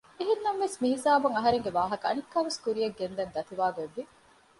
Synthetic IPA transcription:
eɦinːɐmʋesmiɦisaːbɐŋɐɦɐɾeŋɡeʋaːɦɐkɐɐ̰nikːaːʋeskuɾijeɡːend̪ɐnd̪ɐt̪iʋaːɡeʋːi

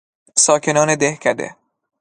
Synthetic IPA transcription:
sɒːkʰenɒːned̪ehkʰæd̪ḛ

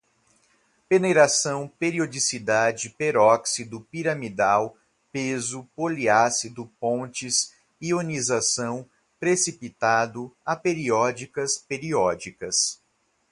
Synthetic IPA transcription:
peneɾasɐ̃w̃peɾiod͡ʒisid̪ad͡ʒɪpeɾɔksid̪ʊpiɾɐmid̪aw | pezʊpoliasid̪ʊpõt͡ʃɪs | ionizasɐ̃w̃ | pɾesipit̪ad̪ʊapeɾiɔd͡ʒikɐspeɾiɔd͡ʒikɐs

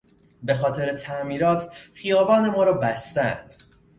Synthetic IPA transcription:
be̞xɒːt̪ʰe̞ɾet̪ʰæmiːɾɒːt̪ʰxijɒːbɒːne̞mɒːɾɒːbæst̪ænd̪̥

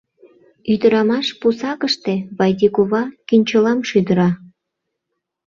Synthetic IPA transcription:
yd̪əɾɑmɑʃpusɑkəʃt̪eβɑjd̪ikoβɑkynʲt͡ɕəlɑmʃyd̪əɾɑ

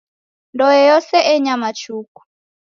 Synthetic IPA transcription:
ndɔɛjɔsɛʔɛɲamat͡ʃuku̥

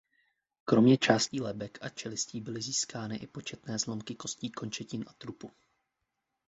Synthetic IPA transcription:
kɾo̞mɲɛt͡ʃaːsciːlɛbɛkʔat͡ʃɛlɪsciːbɪlɪziːskaːnɪʔɪpo̞t͡ʃɛt̪nɛːzlo̞mkɪko̞sciːko̞nt͡ʃɛcɪnʔat̪ɾupu

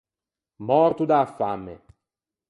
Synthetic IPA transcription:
mɔɾt̪ud̪aːfːamːḛ

